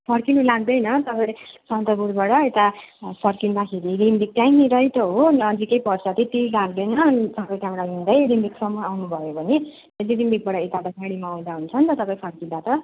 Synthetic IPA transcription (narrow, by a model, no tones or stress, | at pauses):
pʰʌɾkinulaɡ̚d̪ʌjnʌt̪ʌpasʌnt̪ʌbuɾbaɽʌet̪apʰʌrkinbakʰeɾiɾimbik̚t̪ajniɾʌɦit̪ʌɦonʌd͡zikʌjpʌrsʰʌt̪ʰit̪ilaɡd̪ʌjnʌsʌpʌjkamɾaɦũnd̪ʌjɾimbiksʌmːʌawnubʱʌjobʱʌni | ediɾimbik̚baɽʌet̪at̪ʌkaɽimaaw̃d̪aɦunt͡sʰʌnt̪ʌt̪ʌpãĩpʰʌrkid̪at̪ʌ